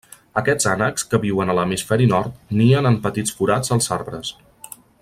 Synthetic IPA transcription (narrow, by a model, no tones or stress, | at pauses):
əkɛ̥z̥anəkskəβiwənələmisfɛɾinɔɾt̪niənəmpət̪it͡sfuɾad͡zəlˠzaɾβɾəs